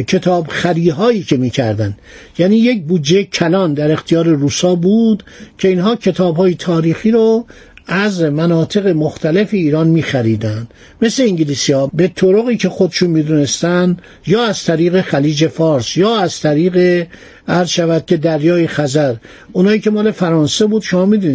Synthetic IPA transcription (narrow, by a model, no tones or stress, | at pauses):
cʰe̞t̪ʰɒːbxæɾiːɦɒːjiːcʰe̞miːcʰæɾd̪ænd̪jæniːjec̚buːd̪d͡ʒejecʰælɒnd̪æɾe̞xt̪ʰijɒːɾe̞ɾuːsɒːbuːd̪cʰe̞inɦɒːcʰe̞t̪ʰɒːbhɒːjet̪ʰɒːɾiːxiːɾo | æzmænɒːt̪ʰe̞ɣe̞moxt̪ʰæle̞feiːɾɒːnmiːxæɾiːd̪ænd̪̥ | me̞sle̞iŋɟiliːsiɒːbe̞t̪ʰoɾoɣiːcʰe̞xod̪eʃunmiːd̪une̞st̪ænd̪ | jɒːæz̥t̪ʰæɾiːɣe̞xæliːd͡ʒe̞fɒːɾsjɒːæz̥t̪ʰæɾiːɣe̞ | æɾzʃævæd̪̥̚cʲʰe̞d̪æɾjɒːjexæzæɾ | unhɑːiːce̞mɒːle̞fæɾɒːnse̞buːd̪̥ʃo̞mɒːmid̪uni